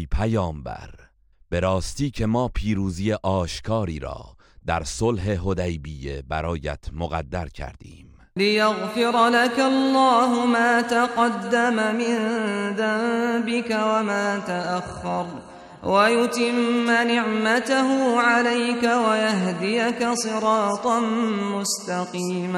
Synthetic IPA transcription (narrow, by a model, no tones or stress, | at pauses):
pʰæjɒːmbæ̰ɾ | b̥e̞ɾɒːst̪iːcʰe̞mɒːpʰiːɾuːzijeʔɒːʃkʰɒːɾiːɾɒ̰ː | d̪̥æɾsolɦe̞ɦod̪æjbiːjebæɾɒːjæ̰t̪ʰmoɣæ̰d̪ːæɾcʰæ̰ɾd̪̥iːmm | lɪjaɣfɪɾˤlakalːɑːɦʊmaːt̪aqɑd̪ːamamɪnðambɪkawamaːt̪aʔaxːɑɾˤ | wajʊt̪ɪmːanɪʕmat̪aɦʊʕalajkawajaɦd̪ijakasˤɨɾˤɑːt̪ˤɑnmʊst̪ɑqiːm